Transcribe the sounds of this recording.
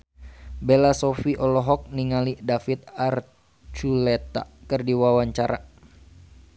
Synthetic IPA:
bɛlasɔfiʔɔlɔɦɔk̚niŋalidafit̪̚ar | t͡ʃulɛt̪a̰kɨrdiwawaɲt͡ʃaɾa

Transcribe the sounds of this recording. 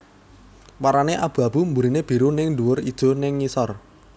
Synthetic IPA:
waɾaneʔab̥ṳab̥ṳmbuɾineb̥i̤ɾunɪŋɖuwʊrid̥ʒ̥o̤nɪŋːisɔr

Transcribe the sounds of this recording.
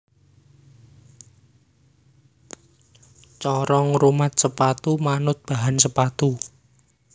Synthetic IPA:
t͡ʃɔɾɔŋrumat̪̚səpat̪umanʊt̪̚b̥aɦansəpat̪u

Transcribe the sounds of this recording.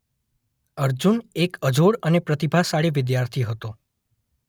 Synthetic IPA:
əɾd͡ʒunekəd͡ʒoɽənepɾət̪ibʱasaɽeʋɪd̪jaɾt̪ʰiɦət̪o

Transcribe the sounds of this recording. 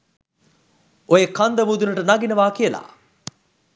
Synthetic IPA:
ojekɐnd̪ɐmuːd̪unəʈənɐɡinɐʋaːkijəla̰

